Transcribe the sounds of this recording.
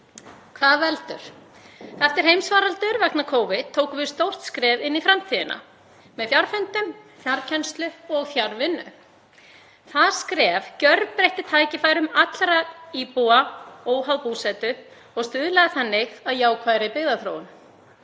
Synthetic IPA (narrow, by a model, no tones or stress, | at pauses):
kʰvaːðvɛlt̪ʏ̰ɾ̥ | θɛft̪ɪɾ̥hejmsvaːɾalt̪ʏɾvak̚nakʰoːwvɪt̪ʰːoːwkʏvɪð̥st̪owr̥t̪skɾɛːvɪnːifɾamt̪ʰiːðɪ̰nʔa̰ | mɛðfjaɾfɛnt̪ʏmθjaɾcʰɛnst̪lʏɔɣθjaɾvɪnːʏ̰ | θaðskɾɛːvcœɾppɾejht̪ɪt̪ʰaːjcɪfaːjɾʏmat̪lɾaipuaoːwɦawpusɛt̪ʏ | ɔɣst̪ʏːðlɛðaθanːɪɣaðjaːwkʰvaːjɾaipɪɣðaθɾo̰ːwʏn